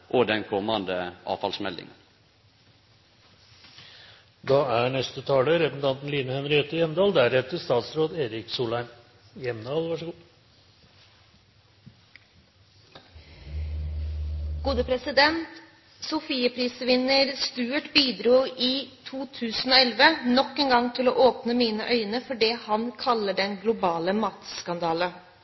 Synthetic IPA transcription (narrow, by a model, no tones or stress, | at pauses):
ʔod̪ɛnkʰɔmɑnd̪əʔɑ̰ːfɑlsmɛld̪ɪ̰ŋən | d̪ɑːæɳɛst̪ət̪ʰɑːləɾɛpən̩t̪ʰɑnt̪n̩liːnəhœmɾɪɛt̪ːəjɛmd̪ɑːld̪æɾɛt̪əʂt̪ɑːt̪sɾoːd̪eːɾɪksuːlæɪm | jɛmd̪ɑːlʋɑʂəɡuː | ɡ̥uːd̪əpʰɾɛsɪd̪ɛnt̪ | sʊfiːəpʰɾiːsəʋɪnəɾst̪ʉːʈbiːd̪ɾuːʔiːt̪ʰuːt̪ʰʉːsn̩oːɛlʋənɔkːeːnɡɑŋt̪ʰɪloːʔoːpnəmiːnəʔœʏnəfɔɖɛːhɑnkʰɑlːəɖɛnɡlʊbɑːləmɑːt̪skɑnd̪ɑːlə